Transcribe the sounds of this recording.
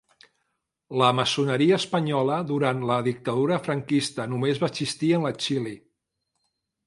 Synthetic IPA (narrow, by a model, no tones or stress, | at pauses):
ləməsunəɾiəːspəɲɔləðuɾant̪ləðik̚t̪əð̞uɾəfɾəŋkist̪ənumezβasist̪iənlət͡ʃili